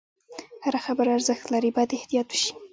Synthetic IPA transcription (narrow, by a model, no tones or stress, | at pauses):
haɾaxabəɾaɾzəxt̪laɾibɑjad̪ɪht̪ijɑt̪wə̥ʃi̥